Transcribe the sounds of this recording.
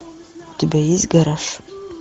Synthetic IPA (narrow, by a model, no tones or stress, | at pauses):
d̥ɨbɐjɪzɡɐɾɐʂ